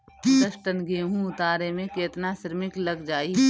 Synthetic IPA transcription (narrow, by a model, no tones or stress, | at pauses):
d̪əʃʈənɡeːɦũʊt̪aːɾemẽkeːt̪nasɪɾmɪklɐɡd͡ʒaːi